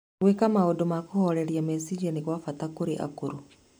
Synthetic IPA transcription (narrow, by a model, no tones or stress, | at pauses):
wekamaodomakohɔɾɛɾiamɛsid͡ʒɛniɣwafatakoɾeʔa̰koɾu